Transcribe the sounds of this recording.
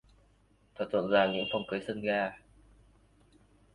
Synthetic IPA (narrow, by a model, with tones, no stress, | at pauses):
t̪ʰaː˨˩t̚tʰwə̰˧˨nzaː˧˩ɲɨ̰˧˥ŋfa˨˩wŋ͡mkə˨˦jsə˧nɣaː˧